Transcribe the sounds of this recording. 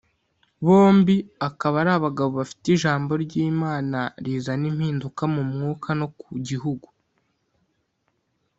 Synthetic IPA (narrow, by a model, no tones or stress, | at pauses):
βo̞ːmbiakaβaɾaβaɡaβo̞βafi̥tiʒaːmbo̞ɾɟiːmaːnaɾiːzanim̥hiːndukamumŋuːkʰano̞kuɟiɦuɡu